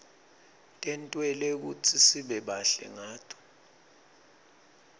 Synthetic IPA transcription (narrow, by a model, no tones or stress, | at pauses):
tʼɛntʼwɛlek̬ṵt͡sʰisiɓɛɓaɬɛ̰ŋaːtʰɔ̥